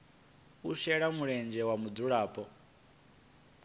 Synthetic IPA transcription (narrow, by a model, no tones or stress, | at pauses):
uʃɛɺamuɺɛnd͡ʒɛwamud͡zuɺaːpʼɔ